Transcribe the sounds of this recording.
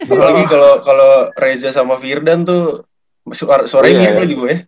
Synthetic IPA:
kapalaɡikalokalorezasamafirdant̪u | saɾsoaɾamirkalaɡibuɡaja

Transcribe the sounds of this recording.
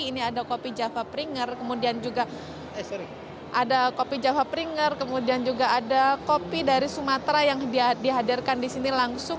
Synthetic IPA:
iniadakopid͡ʒafapɾiŋərkəmudiand͡ʒuɡa | s | ʔadakopid͡ʒafapɾiŋərkəmudiand͡ʒuɡaːdakopidaɾisumat̪ɾajaŋdidiɦadirkandisinilaŋsʊŋ

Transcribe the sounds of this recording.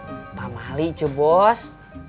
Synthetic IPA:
pamalit͡ʃəbɔs

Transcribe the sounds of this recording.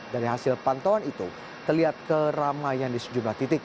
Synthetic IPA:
daɾiɦasɪlpant̪owanit̪u | t̪ərliɦat̪̚kəramajandisə̥d͡ʒumlaht̪it̪ɪk̚

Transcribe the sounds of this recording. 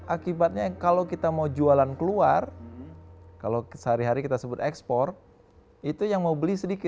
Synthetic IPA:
ʔakibat̪̚ɲakalokit̪amaud͡ʒualankəluar | kalosəɦaɾiɦaɾikit̪asəbʊt̪ɛkspɔr | it̪ujaŋmaubəlisədikɪt̪̚

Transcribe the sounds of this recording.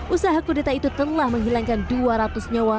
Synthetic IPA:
ʔusaɦakudet̪ait̪ut̪ənlahməŋɦilaŋkanduaɾat̪ʊsɲawa

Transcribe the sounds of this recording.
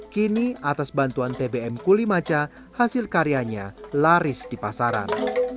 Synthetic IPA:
kiniʔat̪asbant̪uant̪ebeɛmkulimat͡ʃa | hasɪlkaɾiaɲalaɾɪsdipasaɾa̰n

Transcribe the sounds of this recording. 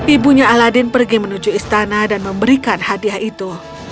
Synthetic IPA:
ʔibuɲaaladɪnpərɡimənud͡ʒuist̪anadanməmbəɾikanhadiahit̪u

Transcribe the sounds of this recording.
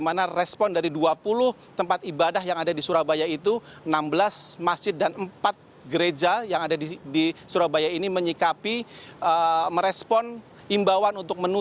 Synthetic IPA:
manarɛspɔndaɾiduapulʊh | t̪əmpat̪ibadahjaŋadadisuɾabajait̪u | ənambəlasmasd͡ʒɪt̪̚danəmpat̪̚ | ɡəɾed͡ʒajaŋadadidisuɾabajainiməɲikapiəməɾɛspɔn | imbawanunt̪ʊk̚mənu

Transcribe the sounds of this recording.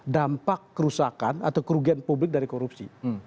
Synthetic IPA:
dampakːəɾusakana̰t̪awkəɾuɡianpublɪk̚daɾikoɾup̚sḭ

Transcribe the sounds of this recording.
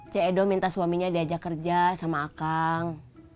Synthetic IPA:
t͡ʃaedɔmint̪asuwamiɲadiad͡ʒakərd͡ʒasamaːkaŋ

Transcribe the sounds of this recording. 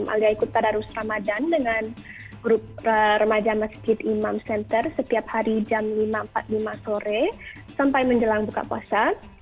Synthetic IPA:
mʔa̰liaikut̪ːadaɾusramadandəŋan | ɡɾʊp̚ərəmad͡ʒaməsd͡ʒɪt̪imamsɛnt̪ərsət̪iap̚haɾid͡ʒamlimaəmpa̰t̪̚limasoɾɛ | sampajməɲd͡ʒəlaŋbuka̰pua̰sa

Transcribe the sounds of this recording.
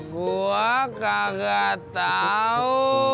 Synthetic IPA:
ɡoakaɡat̪ao

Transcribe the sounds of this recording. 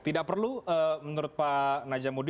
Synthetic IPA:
t̪idak̚pərluəmənuɾʊt̪̚panad͡ʒamud

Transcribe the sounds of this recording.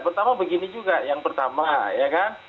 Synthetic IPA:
pərt̪amabəɡinid͡ʒuɡajaŋpərt̪amajakan

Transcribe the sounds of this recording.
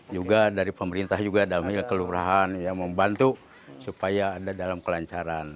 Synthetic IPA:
d͡ʒuɡadaɾipəməɾint̪ahd͡ʒuɡadamilkəluɾaɦanjaməmbant̪u | supajaːdadalamkəlaɲt͡ʃaɾan

